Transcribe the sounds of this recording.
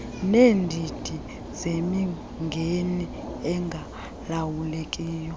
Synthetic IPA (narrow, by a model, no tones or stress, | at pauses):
neːndʱid̥ʱi | zemi | ŋɡʱeni | ɛŋɡʱa | lawulekʼiːjɔ